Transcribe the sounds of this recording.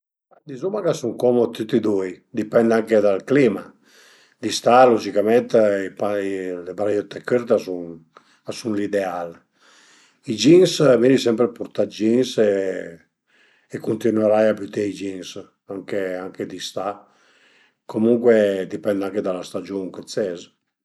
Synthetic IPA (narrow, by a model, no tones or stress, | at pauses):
d̪izumakasuŋkɔmot̪ut̪ːid̪ujd̪ipɛnd̪aŋked̪alklima | d̪ist̪alod͡ʒikamɛnt̪ipalebɾajot̪ekøɾt̪asun | asunlid̪eal | id͡ʒinsvenisɛmpɾepuɾt̪ad͡ʒinse | ekunt̪inweɾajabyt̪eid͡ʒins | aŋkeaŋked̪ist̪a | komuŋkwed̪ipɛnd̪aŋked̪alast̪ad͡ʒoŋkesɛz